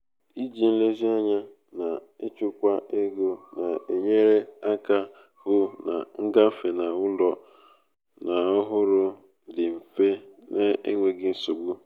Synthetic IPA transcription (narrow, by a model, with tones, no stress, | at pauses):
i˦d͡ʒi˨n̩˦le˦zi˦a˦ɲa˦ | na˨e˦t͡ʃʊ˦kʷa˦ʔe˦ɡo˦na˨e˨ɲe˦ɾe˦a˦ka˦ | hʊ˦na̰˨ŋ̩˦ɡa˦fe˨na˨ʊ˦lɔ˨ | na˨ɔ˦ɦʊ˦ɾʊ˦ | dɪ˨m̩˨fe˦ne˦e˦ŋʷe˨ɡɪ˦n̩˦so˨ɡ͡bu˦